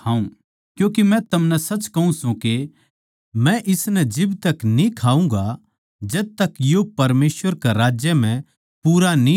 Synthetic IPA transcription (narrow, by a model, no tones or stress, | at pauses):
ɦãːũ | kjũːkimɛ̃t̪ɐmnɛsɐt͡ʃkɐɦũsũke | mɛ̃ʔɪsnɛd͡ʒɪbt̪ɐknĩkʰaːũŋɡa | d͡ʒɐd̪̚t̪ɐkjopɐɾmeːsʋəɾkaɾaːd͡ʒjəm̤ɛ̃ | puːɾanĩ